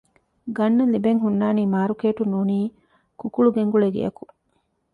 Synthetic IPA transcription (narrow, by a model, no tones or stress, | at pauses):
ɡɐnːɐlibeŋɦunːaːniːmaːɾukeːʈunuːniː | kukuɭuɡeŋɡuɭeɡḛjɐ̰ku